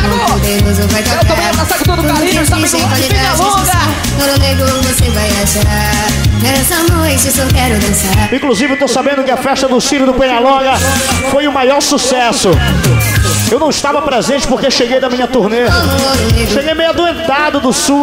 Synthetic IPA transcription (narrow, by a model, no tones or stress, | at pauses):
nɐ̃w̃pod̪ẽmʊzẽwvajt̪ɾaãẽjat̪asakʊt̪od̪ʊaĩɐɪʃt̪ɐ̃k | pẽɲalõɡɐa | noɾuneɡɾʊvosevajaʃa | ɛsɐ̃nojt͡ʃɪsɔkɛɾʊd̪ɐ̃saɾĩkluzivɪwt̪owsabẽnd̪ʊkɪɐfɛʃt̪ɐd̪ʊsilʊd̪ʊpẽɲalõɡɐfojʊmajɔɾsusɛsʊ | ewnɐ̃w̃ɪʃt̪avɐpɾezẽnt͡ʃɪpoɾkeewʃeɡejd̪ɐmĩɲɐt̪uɾnenõoɾoneʃeɡejmejɐd̪uẽt̪ad̪ʊd̪ʊsu